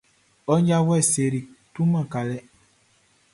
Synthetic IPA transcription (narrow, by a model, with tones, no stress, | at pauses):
ɔ˦ɲja˦wɛ˦˨se˨ɾi˨tu˦mã˦˨ka˨lɛ˦